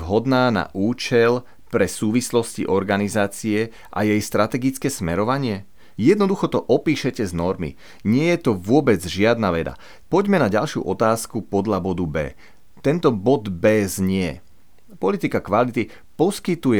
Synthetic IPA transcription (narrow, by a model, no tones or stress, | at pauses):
ɦɔd̪naːna̰ʔuːt͡ʃɛl | pɾɛsuːʋislɔscḭʔɔɾɡanizaːt͡siɛ | ʔa̰jɛjst̪ɾat̪ɛɡit͡skɛːsmɛɾɔʋaɲɪɛ | jɛd̪nɔd̪uxɔt̪ɔʔɔpiːʃɛcɛznɔɾmḭ | ɲɪɛjɛt̪ɔʋʊɔbɛd͡zʒɪad̪naʋɛd̪a̰ | pɔɟmɛnaɟalʃɪṵʔɔt̪aːskupɔd̪ʎabɔd̪ubɛ̰ː | t̪ɛnt̪ɔbɔd̪bɛːzɲɪɛ | pɔlit̪ikakʋalit̪i | pɔskit̪uj